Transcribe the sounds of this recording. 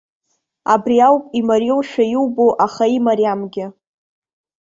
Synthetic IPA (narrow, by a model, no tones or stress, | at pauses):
a̰briawpʼimaɾjowʃᶣajiwboʔaχaimaɾijamɡʲɪ